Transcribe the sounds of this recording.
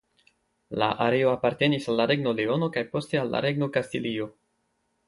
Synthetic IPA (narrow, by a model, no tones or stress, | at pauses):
laʔaɾe̞oapaɾte̞nisalːaɾe̞ɡno̞leo̞no̞kajpo̞ste̞alːa̰ɾe̞ɡno̞kastilio̞